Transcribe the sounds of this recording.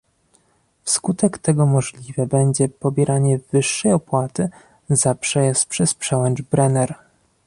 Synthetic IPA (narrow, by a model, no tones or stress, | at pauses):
fskut̪ɛkt̪ɛɡɔmɔʐlʲivɛbɛɲd͡ʑɛpɔbʲjɛɾʔaɲɛvɘʂːɛjɔpwat̪ɘ | zapʂɛjɛst̪pʂɛspʂɛwɛnt͡ʂbɾɛnɛɾ